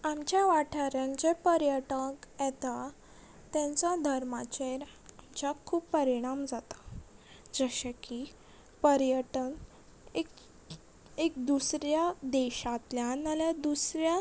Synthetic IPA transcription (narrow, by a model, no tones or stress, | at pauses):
amt͡ɕjaʋaʈʰaɾjãnt͡ɕepəɾjəʈəkjɛt̪a | t̪ɛ̃nt͡sad̪ʱəɾmat͡ɕeɾamt͡ɕakʰuːpːəɾiɽ̃amd͡zat̪ḁ | d͡zəɕaki | pəɾjəʈən | ek | ek̚d̪usɾjad̪ɛɕat̪ljanalad̪usɾja